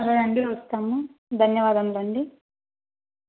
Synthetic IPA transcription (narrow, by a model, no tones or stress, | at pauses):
ɐɾɐɾɐɳɖiʋɐst̪aːmud̪ʱɐnjɐʋaːd̪ɐmlɐɳɖi